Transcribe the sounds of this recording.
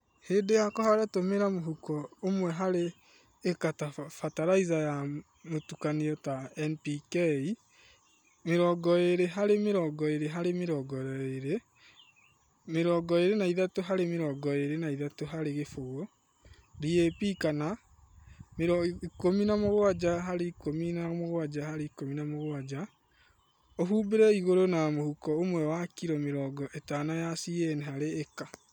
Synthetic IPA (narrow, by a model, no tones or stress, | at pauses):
heːdejakɔhaɾatomeɾamoɦukɔomwɛɦaɾeː | katafataɾaizaja | motukaniɔtaɛnpikei | meɾɔɡɔeɾeɦaɾemeɾɔːɡɔeɾeɦaɾemeɾɔːɡɔeɾe | meɾɔːɡɔeɾenaiðatoɦaɾemeɾɔɡɔeɾenaiðatoɦaɾeɣefoɣo | ɾiepikana | meɾɔikominamoɣwad͡ʑaɦaɾeikominamoɣwad͡ʒahaɾeikominamoɣwad͡ʑa | oɦuːbeɾɛiɣoɾonamohukɔomwɛwakiɾɔmeɾɔːɡɔʔetanajasiɛneɦaɾeːka